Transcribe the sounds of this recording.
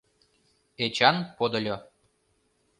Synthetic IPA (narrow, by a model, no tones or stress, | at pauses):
et͡ɕɑnpod̪ə̆lʲo